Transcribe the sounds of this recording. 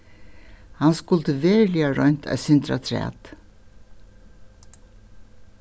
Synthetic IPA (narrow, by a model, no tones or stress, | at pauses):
hanskʊlt̪əʋeːɹliaɹɔɲ̥t̪ʰæ̰sɪnt̪ɾa̰t̪ʰɾɛ̰ːt̪